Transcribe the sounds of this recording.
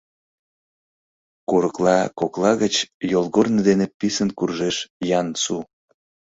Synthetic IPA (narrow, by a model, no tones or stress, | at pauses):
kuɾəklɑkoklˠɑɣət͡ɕjolˠɣornəd̪enepisənkurʒeʃjɑnsu